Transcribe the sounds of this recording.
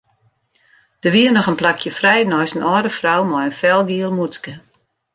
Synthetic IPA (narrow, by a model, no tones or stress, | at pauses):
d̥əʋiənɔxənplakʰjəfrɛjnɔjsənʔɔːdəfrawmɔjənfɛlˠɡiəlˠmuskə